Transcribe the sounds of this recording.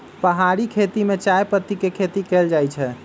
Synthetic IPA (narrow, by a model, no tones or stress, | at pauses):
pəɦaɾikʰet̪imet͡ʃajpət̪ːikekʰet̪ikeld͡ʒajt͡ʃʰɛ